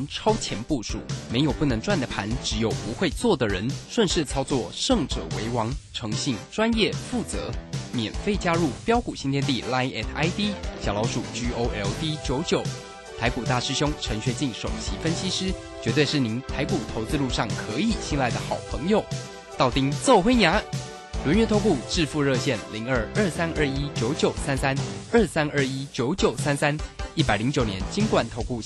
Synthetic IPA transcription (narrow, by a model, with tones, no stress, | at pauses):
nʈ͡ʂʰɑ˥ʊt͡ɕʰjɛ˧˥npu˥˩ʂṵ˨˩˦me˧˥ɪjo˨˩ʊpu˥˩nɤ˧˥ŋʈ͡ʂwa˥˩nd̪ə˩pʰa˧˥nʈ͡ʂɻ̩˧˥jo˨˩ʊpu˧˦˥xwe˥˧ɪt͡swɔ˥˩d̪ə˨˩ɻə˧˥nʂwə˥˧nʂɻ̩˥˩t͡sʰɑ˥ʊt͡swɔ˥˩ʂɤ˥˧˩ŋʈ͡ʂɤ̰˨˩wḛ˧˥ɪwɑ˧˥ŋʈ͡ʂʰɤ˧˥ŋɕi˥˩ŋʈ͡ʂwa˥njɛ˥˩fu˥˩t͡sɤ̰˧˥mjɛ˨˩nfe˥˩ɪt͡ɕja˥ɻu˥˩pjɑ˥ʊku˨˩ɕi˥nt̪ʰjɛ˥˧nt̪i˥˩la˥ɪɛ˥˩t̪ʰa˥ɪt̪i˥ɕjɑ˨˩ʊlɑ˧˥ʊʂu˨˩t͡ɕy˥o˥ʊʔɛ˥lt̪i˥t͡ɕjo˧˥ʊt͡ɕjo˨˩˦ʊ | t̪ʰa˧˥ɪku˨˩t̪a˥˩ʂɻ̩˥˧ɕjʊ˥ŋʈ͡ʂʰə˧˥ŋɕɥɛ˧˥t͡ɕi˥˩ŋʂo˨˩ʊt͡ɕʰi˧˥fə˥nɕi˥ʂɻ̩˥ | t͡ɕɥɛ˧˥t̪we˥˧ɪʂɻ̩˥˩ni˧˥ŋt̪ʰa˧˥ɪku˨˩t̪ʰo˧˥ʊt͡sɹ̩˥˧lu˥˧ʂɑ˥˩ŋkʰɤ˧˦˥i˨˩ɕʰi˥ŋla˥˩ɪd̪ə˩xɑ˨˩ʊpʰɤ˧˥ŋjo˨˩ʊ | t̪ɑ˥˩ʊt̪i˥ŋt͡so˥˩ʊxwe˥ɪnja˧˥ | lwə˧˥nɥɛ˧˥nt̪ʰo˥ku˥˧ʈ͡ʂɻ̩˥˧fu˥˧ɻɤ˥˧ɕjɛ˥˩nli˧˥ŋə˞˥˧ə˞˥˩sa˥nə˞˥˩i˥t͡ɕjo˧˥ʊt͡ɕjo˨˩ʊsa˥nsa˥nə˥˧˩sa˥nə˥˩i˥t͡ɕjo˧˥ʊt͡ɕjo˨˩ʊsa˥nsa˥ni˥˩pa˨˩ɪli˧˥ŋt͡ɕjo˨˩ʊnjɛ˧˥˦nt͡ɕi˥ŋkwa˨˩nt̪ʰo˧˥ʊku˥˩